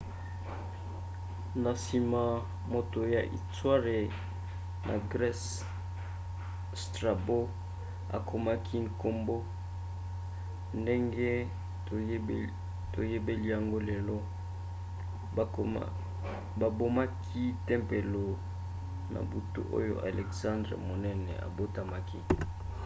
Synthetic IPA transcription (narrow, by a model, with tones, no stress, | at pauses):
na˨si˨ma˨ | mo˨to˨ja˨ʔḭ˨twa˦ʁe˨ | nʔa̰˨ɡʁɛ˦s | stʁa˨bo˦ | a̰˨kʰo˨ma˦kʰi˦ŋ̩˨ko˦mbo˦ | nde˦ŋɡɛ˦˨˦ | to˨je˦be˦li˦ja˨ŋɡo˦lɛ˨lɔ˦˨ | ba˨bo˦ma˦kʰi˦tɛ˦mpe˨lo˨ | na̰˨bu˨tṵ˦ʔo̰˦jo̰˦˨ʔa˨lɛ˨ksã˦ndʁḛ˨mo˨nɛ˦nɛ̰˨a̰˨bo˦ta˨ma˨ki˦